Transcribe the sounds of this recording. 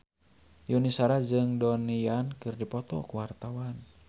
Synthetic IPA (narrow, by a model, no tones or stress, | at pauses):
junisaɾad͡ʒɨŋdɔnijankɨrdipɔt̪ɔ̰kuwart̪awan